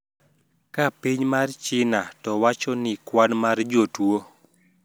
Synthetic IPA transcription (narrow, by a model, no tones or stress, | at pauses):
kapiɲmart͡ʃɪnatɔwat͡ʃɔnɪkwanmard͡ʒotwo